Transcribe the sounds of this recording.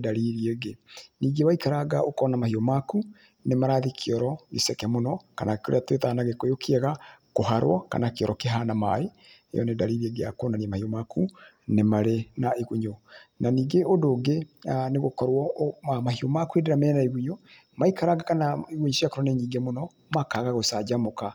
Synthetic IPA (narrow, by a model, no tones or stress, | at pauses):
daɾiɾieɡeniːɡewaikaɾaɣaʔokɔnamahiɔmaku | nemaɾaðikʰeɔɾɔɣesɛkɛmonɔkanakko̰ɾḛatwetanaɣekojokʰiɛɣakoɦaɾwɔ̰ka̰nakeɔɾɔkeɦanama̰e | ḛjɔ̰nedaɾiːɾiɛɡeakonaniɛmahiɔmakʰu | nemaɾenaeɣuɲonaniːŋɡeodoːɡeneɣokɔɾwɔamaɦiomakuedeɾamɛnaeɣuɲo | maikaɾaɡakanaeɣuɲosiakoɾwɔnɛɲiːŋɡemonɔ | makaɣaɣosad͡ʒamoka